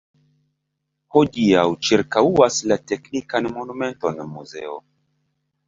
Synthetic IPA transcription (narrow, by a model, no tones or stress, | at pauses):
ho̞diawt͡ʃiɾkauaslate̞knikanmo̞nume̞nto̞nmuze̞̰o̰